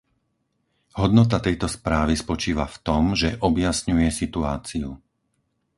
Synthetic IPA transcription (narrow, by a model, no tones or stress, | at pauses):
hɔd̪nɔt̪̬at̪ɛjt̪ɔspɾaːʋispɔt͡ʃiːʋaft̪ɔmʒɛʔɔbjasɲujɛsit̪uaːt͡siu